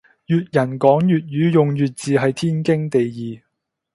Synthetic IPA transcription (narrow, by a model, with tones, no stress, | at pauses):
jyː˨t̚jɐ˨˩nkɔː˨˥ŋjyː˨t̚jyː˨˥jʊ˨ŋjyː˨t̚t͡siː˨˧ɦɐ˨jt̪ʰiː˥nkɪ˥ŋt̪e˨jjiː˨˩